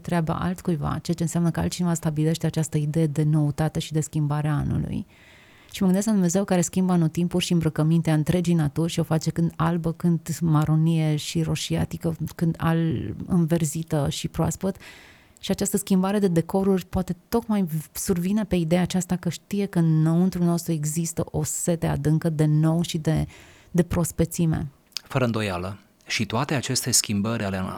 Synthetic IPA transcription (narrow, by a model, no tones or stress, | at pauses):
t̪ɾeaba̰ʔa̰lt̪kujva̰t͡ʃeat͡ʃe̞ɨnseamnəkəa̰lt̪t͡ʃinevast̪abile̞ʃt̪e̞at͡ʃast̪əid̪e̞jed̪e̞no̞ut̪at̪e̞ʃid̪e̞skʲimbaɾeaa̰nṵlṵj | ʃiməɡɨnd̪esklad̪umne̞ze̞wkaɾe̞skʲimbəanot̪impurʲʃiɨmbɾəkəmint̪eaɨnt̪ɾe̞d͡ʒijnat̪urʲʃio̞fat͡ʃe̞kɨnd̪albəkɨnd̪maɾʔo̞nije̞ʃiro̞ʃia̰t̪ikəkɨnd̪a̰lɨ̰nve̞rzit̪əʃipɾoa̰spət̪ | ʃiat͡ʃast̪əskʲimbaɾe̞d̪e̞d̪e̞ko̞ɾurʲpwat̪e̞t̪o̞kmajsurvine̞pe̞id̪ejaːt͡ʃast̪akəʃt̪ije̞kəɨnːəɨnt̪ɾulno̞st̪ɾue̞ɡzist̪ə̰ʔo̞se̞t̪ea̰d̪ɨŋkəd̪e̞no̞wʃid̪e̞ | d̪e̞pɾo̞spet̪simḛ | fəɾəɨnd̪o̞jalə | ʃit̪oat̪e̞at͡ʃe̞st̪e̞skʲimbəɾʲʔale